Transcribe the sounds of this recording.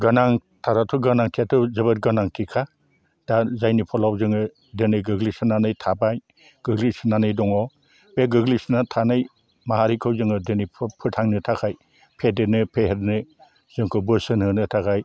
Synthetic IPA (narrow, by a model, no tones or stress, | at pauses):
ɡanaŋ | tʰaɾatʰuɡanaŋtʰiatʰɯzɯβɯt̚ɡanaŋtʰikʰa | d̥azajnipʰɔlawzɯŋɯ | dɯnɯjɡɯɡlisɯnanɯjtʰabaj | ɡ̥ɯɡlisnanɯjdɔŋɔ | beɡɯɡlisnatʰanɯj | maɦaɾikʰɯwzɯŋɯdenijʰpʰɯɾtʰaŋnɯtʰakʰaj | pʰedenɯpʰeheɾnɯ | z̥ɯŋkʰɯbɯsɯnhɯnɯtʰakʰaj